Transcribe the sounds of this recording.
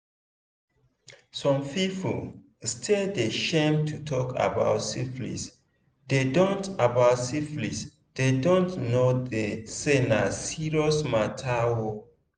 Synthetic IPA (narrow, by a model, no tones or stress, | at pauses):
sɔ̃mpipṵ | stʰedeʃẽmtʰutʰɔka̰ba̰ʊtsiflḭs | dedõntabaʊtsiflḭs | d̥edõntnodesenasiɹɔsmatʰawo